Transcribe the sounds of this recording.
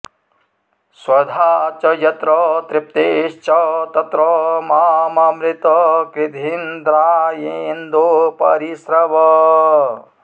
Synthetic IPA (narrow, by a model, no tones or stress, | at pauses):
swɐd̪ʱaːt͡ʃɐjɐt̪ɾɔt̪ɾɪp̚t̪eʃt͡ʃɔt̪ɐt̪ɾɔmaːmaːmɾɪt̪ɔkɾid̪ʱind̪ɾajiind̪opɐ̰ɾisɾɐʋɔ